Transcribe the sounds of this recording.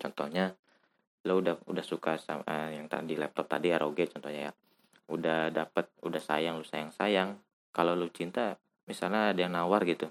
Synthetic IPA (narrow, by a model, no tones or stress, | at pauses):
t͡ʃɔnt̪ɔhɲa | loudahudahsukasaəjaŋt̪a̰dilɛp̚t̪ɔp̚t̪adiaɾʔoɡɛt͡ʃɔnt̪ɔhɲaja̰ | udahdapət̪̚udahsa̰jaŋlusajaŋsajaŋ | kalolut͡ʃint̪a | misalɲaːdajaŋnawarɡit̪u